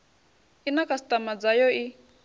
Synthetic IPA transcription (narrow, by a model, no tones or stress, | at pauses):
inakʼast̪ʼamad͡zajɔi